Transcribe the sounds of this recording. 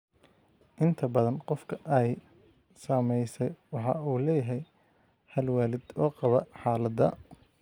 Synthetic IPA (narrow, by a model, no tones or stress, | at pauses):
ʔɪnt̪ʰɐbɐðɐnqɔfkʰɐʔɛj | saːmɛjsɛjwɑħɑuːlɛːjɐɦɛj | hɐlwaːlɪd̪ɔːqɑβɐħɑːlɐðɐ̰